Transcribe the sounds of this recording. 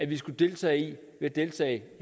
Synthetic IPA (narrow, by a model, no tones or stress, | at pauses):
æʋisɡ̥ud̥e̝lt͡sʰɛ̰ːɪi | ʋe̝æd̥e̝lt͡sʰɛ̰ːɪ